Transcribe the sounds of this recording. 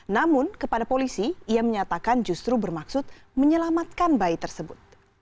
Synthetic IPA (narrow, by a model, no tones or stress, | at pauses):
namʊnkəpadapolisiiaməɲat̪akand͡ʒust̪ɾubərmaksʊt̪̚ | məɲəlamat̪̚kanbait̪ərsəbʊt̪̚